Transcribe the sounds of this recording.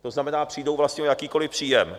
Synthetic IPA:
t̪o̞znamɛnaːpr̥iːdo̞wvlast̪ɲɛjakiːko̞lɪpr̝̥iːjɛm

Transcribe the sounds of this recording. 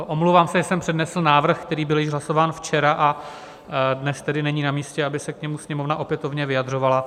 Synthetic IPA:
ʔomlowvaːmsɛʒɛsɛmpr̝̥ɛdnɛsl̩naːvr̩xkt̪ɛɾiːbɪljɪʒɦlasovaːnft͡ʃɛɾaʔa | dnɛst̪ɛdɪnɛɲiːnamiːscɛabɪsɛkɲɛmusɲɛmovnaʔo̞pjɛt̪ovɲɛvɪjadr̝o̞vala

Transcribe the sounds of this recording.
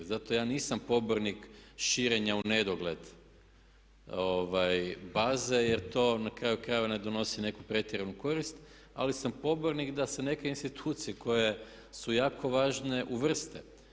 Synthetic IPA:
zat̪o̞jaːniːsampo̞boɾnikʃiːɾe̞ɲaune̞d̪oɡle̞d̪ | oʋajbaːzeje̞ɾt̪o̞ːnakɾaːjukɾajʋane̞d̪o̞no̞sine̞kupɾe̞t̪ʲjeɾenuko̞ɾist̪ | a̰lisampo̞boɾnikd̪ase̞ne̞ke̞inst̪it̪ʰuːt̪sijeko̞je̞ | sujaːkʰo̞ʋaːʒne̞ʔuʋr̩st̪e

